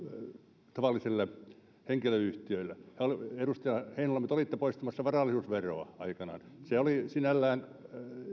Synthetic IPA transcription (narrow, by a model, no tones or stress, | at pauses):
t̪ɑʋɑlːˑiselːe | heŋkiløyht̪iøilːehæolierust̪iɑheinolːɑmːyt̪olit̪ːepoist̪ɑmɑsːɑʋɑrɑlːˑisuːsʋeroɑɑikɑnɑ̰ːnseolisinælːæːn